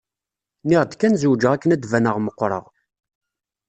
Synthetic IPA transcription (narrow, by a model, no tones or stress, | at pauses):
niʁd̪kːænzuwd͡ʒəʁækːənæd̪vænəʁməqːɾˤə̰ʁ